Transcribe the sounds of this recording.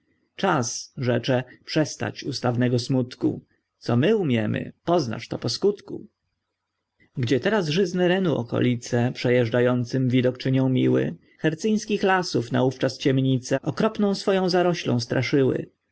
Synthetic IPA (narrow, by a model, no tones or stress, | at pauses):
t͡ʂasʐɛt͡ʂɛpʂɛst̪a̰t͡ɕust̪avnɛɡɔsmut̪kṵ | t̪sɔmɘumʲjɛmɘ̰pɔzna̰ʂt̪ɔpɔskut̪kṵ | ɡd͡ʑɛt̪ɛɾazʐɘznɛɾɛnuɔ̰kɔ̰lʲit̪sɛpʂɛjɛʐd͡ʐajɔnt̪sɘmvʲid̪ɔkt͡ʂɘɲɔ̃w̃mʲiwɘ̰ | xɛɾt̪sɘj̃skʲixlasufna̰uft͡ʂast͡ɕɛmɲit̪sɛʔɔkɾɔpnɔ̃w̃sfɔjɔ̃w̃zaɾɔɕlɔ̰̃st̪ɾʔaʂɘwɘ̰